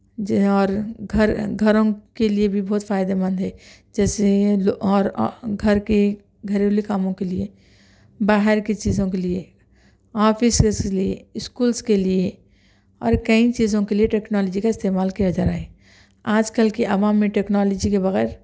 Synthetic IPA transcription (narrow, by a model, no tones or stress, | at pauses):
ɔːɾɡʱəɾɡʱɐɾõkeliebʱibɔːt̪faːɪd̪emɐ̃nd̪ɦɛː | d͡ʒɛːseɔːɾɡʱɐɾke | ɡʱɐɾeolikaːmõkelie | baːɦɪɾket͡ʃiːzõkelie | ɔːpʰɪseliḛɪskuːlskelie | ɔ̰ːɾkɐĩt͡ʃiːzõkelieʈeːknɔːlɔd͡ʒikaɪst̪eːmaːlkeɐd͡ʒəɾaːe | aːd͡ʒkəlkeʔɐʋaːmːẽʈeːknɔːlɔd͡ʒikebɐɣɛːɾ